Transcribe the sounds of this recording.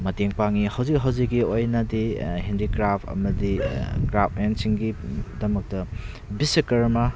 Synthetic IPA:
mɐteŋpaŋihawzik̚ɦawzik̚ːiojnɐdiɦindikɾapʰɐ̰mɐdikɾap̚ʰensiŋɡidɐmɐk̚tɐ | bisikɐɾmɐ

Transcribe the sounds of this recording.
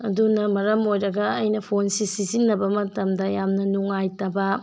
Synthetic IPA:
ɐ̰dunɐmɐɾɐmojɾɐɡɐɐjnɐpʰonsisizinːɐbɐmɐtɐmdɐjamnɐnuŋajtɐbɐ

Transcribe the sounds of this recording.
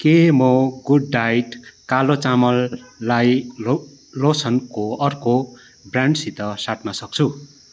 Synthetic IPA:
kemʌɡuɖːajʈkalot͡samʌlːaj | losʌnkoʌrko | braɳɖsit̪ʌsaʈnʌsʌk̚t͡sʰu

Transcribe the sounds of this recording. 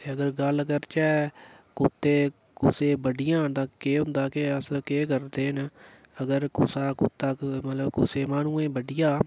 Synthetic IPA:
eəɡəɾɡələɡəɾt͡ʃɛːkʊt̪ːeː | kʊseːbəɖɪjãːt̪aeːɦʊ̃nd̪aːkeəskeːkəɾd̪eːn | əɡəɾkʊsaːkʊt̪ːaːkmət̪ləbkʊ̰seːmaːnũːẽːbəɖɪjaː

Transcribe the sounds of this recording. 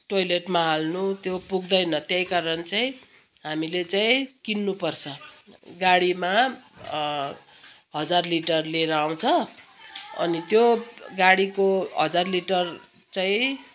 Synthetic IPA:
ʈojleʈmaɦalnut̪jopuɡd̪ʌjnʌt̪jʌjkaɾʌnt͡saĩ | ɦamilet͡saĩkinːupʌrt͡sʰʌɡaɽima | ɦʌd͡zarliʈʌrleɾʌaw̃t͡sʰʌ | ʌ̰nit̪joɡaɽikoɦʌd͡zarliʈʌr | t͡saĩ

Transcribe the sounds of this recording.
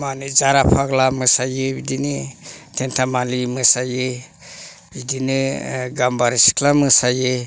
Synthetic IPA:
manid͡ʒaɾapʰaɡlamɯsajɯbidinitʰentʰamalimɯsajɯ | bidiniɡambaɾisi̥kʰlamɯsajɯ

